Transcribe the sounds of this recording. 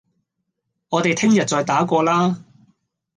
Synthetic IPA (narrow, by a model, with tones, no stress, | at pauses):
ŋɔː˨˧t̪e˨jt̪ʰɪ˥ŋjɐ˨t̚t͡sɔː˨˧jt̪aː˨˥kʷɔː˧laː˥